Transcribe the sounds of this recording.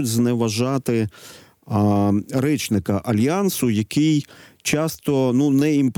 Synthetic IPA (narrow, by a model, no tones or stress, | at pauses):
ʊtʲznɛʋɐʒɑt̪ɪ | ɾɛt͡ʃnɪkɐʔɐlʲjɑnsʊjɐkʰijt͡ʃɑst̪ɔnunɛimp